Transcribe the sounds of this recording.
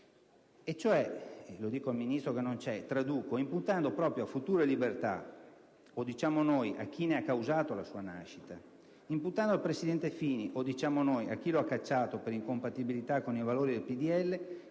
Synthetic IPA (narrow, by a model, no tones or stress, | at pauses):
et͡ʃːoɛlod̪iːkoalminist̪ɾokenːont͡ʃɛt̪ɾad̪uːkoimput̪and̪opɾɔːpɾjoafut̪uːɾelibert̪a̰ | od̪it͡ʃaːmonojʔa̰k̟ːineakːawzaːt̪olasuːana̰ʃːi̥t̪a | imput̪ːand̪oalpɾesid̪ɛnt̪efiːniʔod̪it͡ʃaːmonoja̰k̟ːiloakːat͡ʃːaːt̪opeɾiŋkompat̪ibilit̪akːonivaloːɾid̪elpid̪iɛlːe